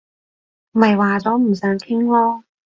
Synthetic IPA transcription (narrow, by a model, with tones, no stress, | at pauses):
mɐ˨jwaː˨t͡sɔː˨˥m̩˨˩sœː˨˥ŋkʰɪ˥ŋlɔː˥